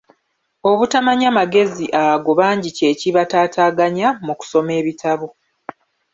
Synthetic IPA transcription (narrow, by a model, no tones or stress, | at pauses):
o̞βutamaɲamaɡe̞ziʔaɡo̞βaːɲɟice̞ːciβataːtaːɡaɲamuku̥so̞me̞ːβitʰaβo